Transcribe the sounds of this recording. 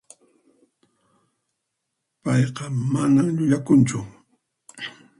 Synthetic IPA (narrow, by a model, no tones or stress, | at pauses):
pɑjqɑmanamʎʊʎakʊnt͡ʃʊ